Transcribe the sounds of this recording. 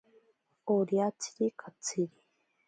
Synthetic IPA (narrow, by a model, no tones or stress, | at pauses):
oɾjat͡si̥ɾikʰat͡sʰiɾi